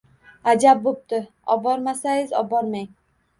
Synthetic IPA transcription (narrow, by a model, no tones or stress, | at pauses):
ad͡ʒab̚bop̚t̪ɪ | ɒ̰bɒɾmasajɪzɒ̰bɒɾmaj